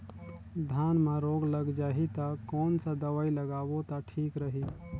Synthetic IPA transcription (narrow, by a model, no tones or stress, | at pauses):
d̪ʱjaːnmãɾoːɡlɐɡd͡ʒaːɦit̪akɔːnsad̪ɐʋaːilɐɡaːʋot̪aʈʰiːkɾəɦiː